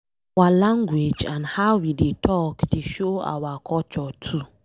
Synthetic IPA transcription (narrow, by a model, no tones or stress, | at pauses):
walãŋɡwed͡ʒãnhawidetʰɔkteʃoa̰wakʰɔt͡ʃɔtʰu